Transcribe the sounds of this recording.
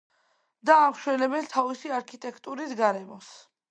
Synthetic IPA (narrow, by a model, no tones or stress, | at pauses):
d̪aːmʃwɛlɛbɛnt̪ʰavisiaɾkʰit̪ʼɛkʰt̪ʼuɾisɡaɾɛmɔs